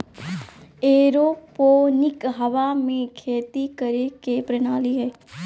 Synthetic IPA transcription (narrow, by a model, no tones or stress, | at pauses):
eːɾopoːnɪkɦɐʋamẽkʰeːt̪ikəɾekepɾənaːliɦɛː